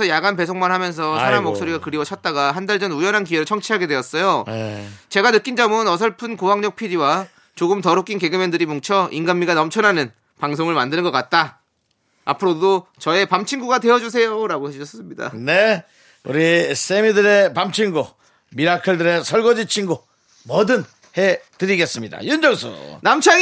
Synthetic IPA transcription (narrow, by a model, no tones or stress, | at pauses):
ʌjaɡanpe̞sʰoŋmanɦamjʌns̬ʰʌsʰaɾamːoks͈oɾiɡakɯɾiwʌt͡ɕʰʌt̚t͈aɡaɦandaɭd͡ʑʌnujʌnɦankieɾɯɭt͡ɕʰʌŋt͡ɕʰiɦaɡe̞dwe̞ʌs͈ʌjo | t͡ɕe̞ɡanɯk͈ind͡ʑʌmɯnʌsʰʌɭpʰɯnkoɦaŋɲʌk̚pʰiɾiwa | t͡ɕoɡɯmtʌɾuk͈inke̞ɡɯmendɯɾimoŋt͡ɕʰʌʔinɡanmːiɡanʌmt͡ɕʰʌnanɯn | paŋsʰoŋɯɭmandɯnɯnɡʌk͈at̚t͈aː | pʰɯɾodot͡ɕʌe̞pamt͡ɕʰiŋɡuɡadwe̞ʌd͡ʑus̬ʰe̞joɾaɡohet͡ɕʰʌs͈ɯmɲida̰ne̞ | ṵɾisʰemidɯɾe̞pamt͡ɕʰiŋɡu | miɾakʰɯɭdɯɾe̞sʰʌɭɡʌd͡ʑit͡ɕʰiŋɡu | mʌdɯn | hetɯɾiɡe̞s͈ɯmɲida̰jund͡ʑʌŋsʰṵnamt͡ɕʰa